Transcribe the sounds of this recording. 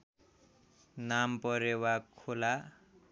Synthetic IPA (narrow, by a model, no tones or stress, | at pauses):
nampʌɾewakʰola